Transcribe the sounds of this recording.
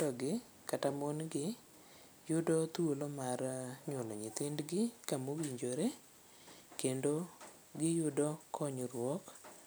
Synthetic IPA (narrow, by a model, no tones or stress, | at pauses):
ɔɡɪ | katamonɡɪ | jʊdɔt̪wolomarɲwolɔɲɪt̪ɪndɡɪkamowiɲd͡ʒoɾe | kendo | ɡɪjʊdɔkʰɔɲɾwɔk